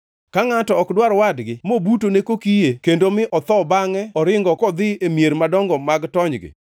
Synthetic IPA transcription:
kaŋatɔɔkdwaɾwadɡɪmobutonekokijekendomɪʔɔt̪ɔbaŋɛɔɾɪŋɡɔkɔd̪ɪemjeɾmadɔŋɡɔmaɡtɔɲɡɪ̰

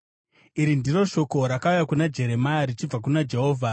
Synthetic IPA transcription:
iɾindiro̞ʃo̞ko̞ɾakaujakunad͡ʒe̞ɾe̞majaɾit͡ʃib͡vak̬unad͡ʒe̞ɦo̞ːvʱa

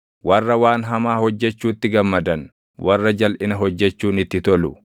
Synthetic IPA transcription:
wʔɐrːɐwaːnɦɐmaːhɔd͡ʒːɛt͡ʃːuːt̪ːɪɡɐmːɐd̪ɐn | wʔɐrːɐd͡ʒɐlʔɪnɐɦɔd͡ʒːɛt͡ʃːuːnɪt̪ːɪt̪ɔlʊ

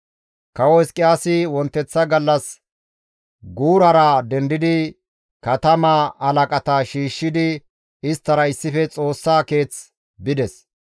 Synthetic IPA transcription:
kɐwɔskʼɪjaːsɪwɔnt̪ːɛt͡sːɐɡɐlːɐs | ɡuːɾɐɾɐd̪ɛnd̪ɪd̪ɪ | kɐt̪ɐmɐɐlɐkʼɐt̪ɐʃiːʃːɪd̪ɪ | ɪst̪ːɐɾɐɪsːɪfɛt͡sʼo̞ːsːaːke̞ːt͡s | bɪd̪ɛs

